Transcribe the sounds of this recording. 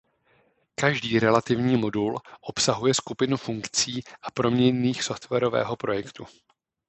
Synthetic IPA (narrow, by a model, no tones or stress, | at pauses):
kaʒdiːɾɛlat̪ɪvɲiːmo̞dulʔo̞psaɦujɛskupɪnufuŋkt͡siːʔapɾo̞mɲɛɲniːxso̞ft̪vɛɾo̞vɛ̰ːɦo̞pɾo̞jɛkt̪u